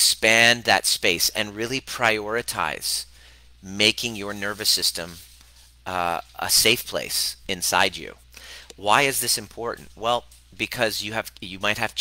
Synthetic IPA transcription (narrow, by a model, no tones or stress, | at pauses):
kspæ̃nðɨ̰tspeɪsɨ̰̃nɹɪlˠipʰɹ̥aɪɔɹɨtʰa̰ɪz̥ | meɪkɪ̃ŋjə˞nɜ˞vɨsɪstɨ̃m | ə̰seɪfpʰl̥ḛɪsɨ̃nsa̰ɪd͡ʒʉ̰ | waɪɨzðɪsɨ̃mpʰɔɹʔn̩t̚wɛlˠ | bɨkʰʌzjɨɨv̥jɨmaɪt̚hɨv̥